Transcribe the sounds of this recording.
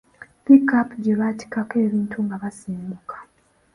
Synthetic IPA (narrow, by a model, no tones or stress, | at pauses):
pikapɟeβati̥kake̞ːβiːntʰuŋɡaβasiːmbukʰḁ